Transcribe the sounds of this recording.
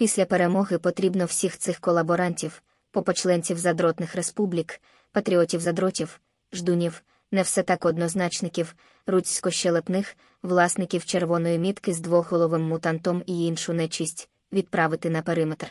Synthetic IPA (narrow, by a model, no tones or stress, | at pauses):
pʲisʲlʲɐpeɾemɔɦɪpɔt̪ɾʲibnɔw̥sʲixt̪sɪxkɔlˠɐbɔɾɑnʲtʲiw | pɔpɔt͡ʃlˠɛnʲt͡sʲiwzɐd̪ɾɔt̪nɪxrespublʲik | pɐt̪ɾʲiɔtʲiwzɐd̪ɾɔtʲiw | ʒd̪unʲiw | nɛwsɛt̪ɑkɔd̪nɔznɑt͡ʃnɪkʲiw | rut͡sʲkɔʃt͡ʃelˠepnɪx | ʋlˠɑsnɪkʲiwt͡ʃerʋɔnɔjimʲit̪kɪzd̪ʋɔɦɔlˠɔʋɪmːut̪ɑnt̪ɔmiinʃʊnɛt͡ʃisʲtʲ | ʋʲid̪̚pɾɑʋɪt̪ɪnɐpeɾɪmet̪r